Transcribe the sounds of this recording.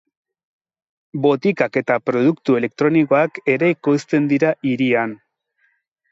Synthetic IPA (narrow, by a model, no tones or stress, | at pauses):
bo̞t̪ikake̞t̪apɾo̞ð̞ukt̪ue̞le̞k̚t̪ɾo̞niko̞ake̞ɾeikost̪e̞nd̪iɾaʔiɾian